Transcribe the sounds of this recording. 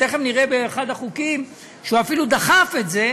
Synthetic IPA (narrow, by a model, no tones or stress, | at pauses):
eχemniʁebeːχad̪haχukim | ʃeuafilud̪aχafe̞tze̞